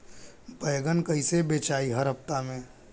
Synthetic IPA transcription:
bəjɡənkəisebeːt͡ʃaːiɦəɾɦəft̪amẽː

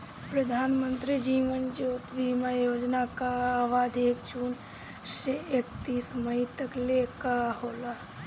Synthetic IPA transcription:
pɾəd̪ʱaːnmə̃nt̪ɾid͡ʒiːʋənd͡ʒoːt̪ʋimajoːd͡ʒnakaːʋaːd̪ʱeːkd͡ʒuːn | ʃeekt̪iːsməit̪əklekahoːla

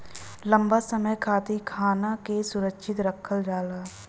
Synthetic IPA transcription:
lə̃mbasəməjkʰaːt̪ikʰaːnakesʊɾəkʃʰɪt̪ɾəkʰəld͡ʒaːlaː

